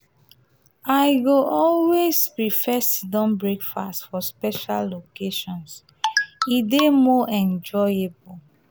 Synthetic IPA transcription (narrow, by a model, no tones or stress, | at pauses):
aɪɡoʔɔlwespɹifɛsidɔ̃mbɹekfa̰stfɔspɛʃalːokeʃɔ̃ns | idemɔʔɛ̃nd͡ʒɔjebu